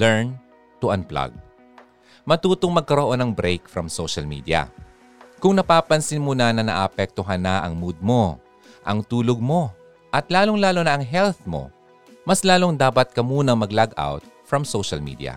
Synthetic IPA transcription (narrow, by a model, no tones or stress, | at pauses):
lɛɹn | t̪uʔɐnpla̰ɡ̚ | mɐt̪uːt̪oŋmɐɡ̚kɐɾoʔo̞nɐŋbɾejkfɾɐmsowʃɐlmḭːd̪iɐ̰ | kʊŋnɐpaːpɐnsɪnmonɐnɐnɐ̰ʔapɛk̚t̪oɦanːaʔɐ̰ŋmud̪̚mo̞ | ʔɐŋt̪uːloɡ̚mo̞ | ʔɐt̪laːlo̞ŋlaːlonɐɐŋɦɛlθmo̞̰ | mɐslaːlo̞ŋd̪aːpɐt̪̚kɐmuːnɐŋmɐɡlaɡa̰wt̪̚fɹɐmsowʃɐlmḭːd̪iɐ̰